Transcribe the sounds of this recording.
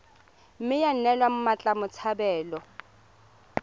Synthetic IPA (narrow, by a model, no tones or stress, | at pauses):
m̩mɪjan̩nɛlwam̩mat͡ɬʼamʊt͡sʰabɛːlɔ